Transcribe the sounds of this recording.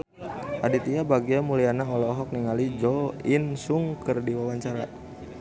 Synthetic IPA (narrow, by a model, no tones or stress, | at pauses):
ʔadit̪iabaɡiamulijanaɔlɔɦɔk̚niŋalid͡ʒɔinsuŋkərdiwawaɲt͡ʃaɾa̰